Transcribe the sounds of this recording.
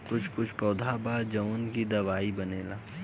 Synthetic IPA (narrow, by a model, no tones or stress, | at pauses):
kʊt͡ʃʰkʊt͡ʃʰpɔːd̪ʱaːbaːd͡ʒɐʋnkid̪ɐʋaːibɐneːla̰ː